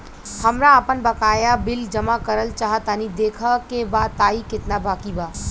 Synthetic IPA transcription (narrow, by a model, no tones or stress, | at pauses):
həmɾaəpənbəkaːjabɪld͡ʒəmakəɾəlt͡ʃaːɦət̪ənid̪eːkʰəkebaːd̪t̪aːikɪt̪nabaːkibaː